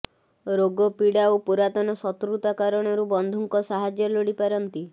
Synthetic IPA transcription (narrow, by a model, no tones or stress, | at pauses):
ɾoɡɔpiɽawpuɾat̪ɔnɔsɔt̪ɾut̪akaɾɔɽ̃ɔɾubɔnd̪ʱuŋkɔsaɦad͡ʒjɔloɽipaɾɔnt̪i